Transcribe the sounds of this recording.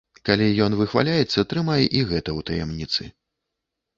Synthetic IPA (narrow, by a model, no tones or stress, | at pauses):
kalʲijɔnvɨxva̰lʲajɛt̪sːɐt̪ɾɨmajɛʔiɣɛt̪ɐwt̪ɐjɛmnʲit̪sɨ